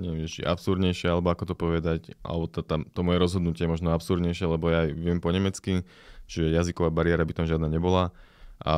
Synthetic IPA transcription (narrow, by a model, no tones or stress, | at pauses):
ɲɛɛmɛt͡ʃḭʔapsuɾd̪ɲɛjʃɪɛalɛbɔakɔt̪ɔpɔʋɛd̪acʔa̰lɛbɔt̪at̪amt̪ɔmɔjɛɾɔzɦɔd̪nucɪɛjɛmɔʒnɔapsuɾd̪ɲɛjʃɪɛlɛbɔjaːjʋɪɛmpɔɲɛmɛt͡ski | t͡ʃiʒɛjazikɔʋaːbaɾɪɛɾabit̪amʒɪad̪naːɲɛbɔla | ʔa̰